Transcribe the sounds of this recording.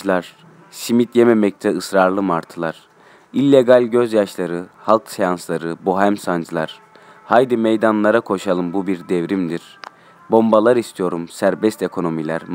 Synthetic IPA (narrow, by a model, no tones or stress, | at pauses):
lˠaɾ̥ | simit̪jememɛc̚t̪ʰɛɯsɾaɾlˠɯmaɾt̪ʰɯlˠaɾ̥ | ilʲːeɡalʲɟøzjaʃlˠaɾɯhalˠksjanslˠaɾɯboɦæmsand͡ʒɯlˠa̰ɾ̥ | hajd̪imejd̪anlˠaɾakʰo̞ʃalˠɯmbubiɾd̪ɛvɾimd̪iɾ̥ | bo̞mbalˠaɾist̪ʰijo̞ɾumsæɾbɛst̪e̞kʰo̞no̞milʲæ̰ɾ